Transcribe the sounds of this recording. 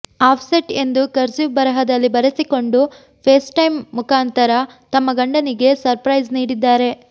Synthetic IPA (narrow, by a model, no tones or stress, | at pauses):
aːpʰseʈe̞nd̪ukɐɾt͡ʃiʋbɐɾɐɦɐd̪ɐlːibɐɾesiko̞ɳɖu | pʰeːsʈɐjmːukaːnt̪ɐɾɐ | t̪ɐmːɐɡɐɳɖɐniɡe̞sɐɾpɾɐjzniːɽid̪ːaːɾe̞